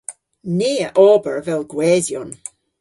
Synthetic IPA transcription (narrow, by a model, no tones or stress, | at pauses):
neːəʔɔːbəɹvɛlˠɡwɛːzjɔn